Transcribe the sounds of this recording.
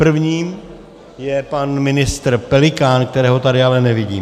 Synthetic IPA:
pr̩vɲiːm | jɛpanmɪnɪst̪ɾ̩pɛlɪkaːnk̚t̪ɛɾɛːɦo̞t̪adɪalɛnɛvɪɟḭːm

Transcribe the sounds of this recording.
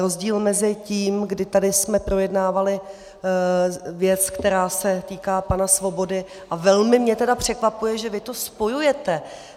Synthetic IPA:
ɾo̞zɟiːlmɛzɪciːmɡdɪt̪adɪsmɛpɾo̞jɛdnaːvalɪ | vjɛt͡skt̪ɛɾaːsɛt̪iːkaːpanasvo̞bo̞dɪ | ʔavɛlmɪmɲɛt̪ɛdapr̝̥ɛkvapujɛʒɛvɪt̪o̞spo̞jujɛt̪ɛ

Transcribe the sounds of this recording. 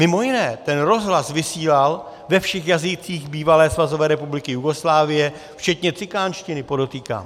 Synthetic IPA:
mɪmo̞jɪnɛːt̪ɛnɾo̞zɦlasvɪsiːlal | vɛfʃɛxjazɪt͡siːxbiːvalɛːsvazo̞vɛːɾɛpublɪkɪjuɡo̞slaːvɪjɛ | ft͡ʃɛt̪ɲɛt͡sɪkaːnʃcɪnɪpo̞dot̪iːka̰ːm

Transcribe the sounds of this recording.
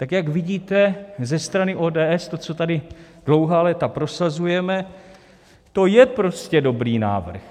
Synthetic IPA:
t̪akjakvɪɟiːt̪ɛzɛst̪ɾanɪʔo̞ːdɛːʔɛst̪o̞t͡so̞t̪adɪ | d̥lo̞wɦaːlɛt̪apɾo̞sazujɛmɛ | t̪o̞jɛpɾo̞scɛdo̞bɾiːna̰ːvr̩x

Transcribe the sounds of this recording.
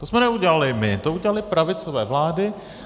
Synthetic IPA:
t̪osmɛnɛuɟɛlalɪmɪt̪ouɟɛlalɪpɾavɪt͡sovɛːvlaːdɪ

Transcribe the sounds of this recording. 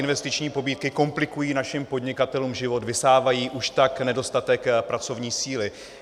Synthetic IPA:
ɪnvɛst̪ɪt͡ʃɲiːpo̞biːt̪̚kɪko̞mplɪkujiːnaʃɪmpo̞dɲɪkat̪ɛluːmʒɪvo̞t̪vɪsaːvajiːʔuʃt̪aknɛdo̞st̪at̪ɛkpɾat͡so̞vɲiːsiːlɪ

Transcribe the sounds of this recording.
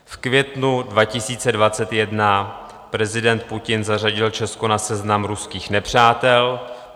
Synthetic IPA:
fkvjɛt̪nudvacɪsiːt͡sɛdvat͡sɛt̪jɛdna | pɾɛzɪdɛnt̪̚pucɪnzar̝aɟɪlt͡ʃɛskonasɛznamɾuskiːxnɛpr̝̥aːt̪ɛl

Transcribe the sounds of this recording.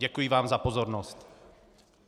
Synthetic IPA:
ɟɛkujivaːmzapo̞zoɾnost̪

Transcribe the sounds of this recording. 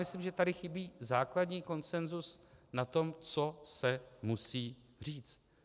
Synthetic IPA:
ɪslimʒɛt̪adɪxɪbiːzaːkladɲiːko̞nt͡sɛnzusnat̪o̞mt͡so̞sɛmusiː | r̝iːt͡st̪̚

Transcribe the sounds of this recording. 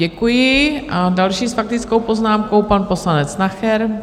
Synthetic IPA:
ɛkujɪʔadalʃiːsfak̚t̪ɪt͡sko̞wpo̞znaːmko̞wpanpo̞slanɛt͡snaxɛɾ

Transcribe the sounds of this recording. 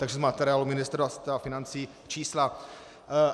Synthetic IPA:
t̪aɡʒɛzmat̪ɛɾɪaːlumɪnɪst̪ɾast̪ɾafɪnant͡siː | t͡ʃiːsla

